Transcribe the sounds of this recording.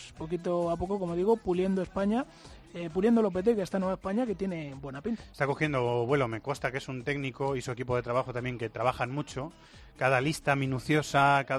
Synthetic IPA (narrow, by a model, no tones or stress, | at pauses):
spo̞kit̪̬oapo̞koko̞moðiɣ̞o̞pulje̞nd̪oe̞spaɲa | epuljend̪olo̞p̬e̞t̪̬ekeest̪anweβaespaɲake̞t̪je̞ne̞bwe̞napint̪ḁest̪ako̞xje̞nd̪oβwe̞lomeko̞st̪ake̞sunt̪e̞ɡniko̞isue̞kipo̞ð̞e̞t̪ɾaβ̞axot̪amje̞ŋke̞t̪ɾaβaxanmut͡ʃo̞ | kaðalist̪amĩnuθjo̞saka